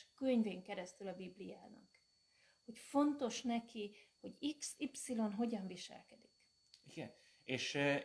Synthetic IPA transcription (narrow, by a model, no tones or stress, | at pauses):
køɲveːŋkɛɾɛst̪ylɒbiblijaːnɒ̰k | ho̞cfo̞nt̪o̞ʃnɛkiho̞ɟisipsilo̞nɦo̞ɟɒɱviʃɛ̰lkɛd̪ik | iɡ̥ɛn | eːʃ